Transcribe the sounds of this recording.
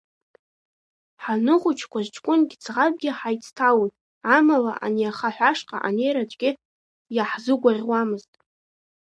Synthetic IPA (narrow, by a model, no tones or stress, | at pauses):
ħanɨχʊt͡ʃʰkʷazt͡ʃʰʼkʷʼʊnɡʲt͡sʰʁab̚ʼɡʲɪħajt͡sʰtʰawojtʼ | amala̰ʔa̰niaχaħᶣʷaʂqʼa̰ʔanejɾat͡ʃʷʼɡ̥ʲɪ | jaħzʊɡʷarʲwamɨztʼ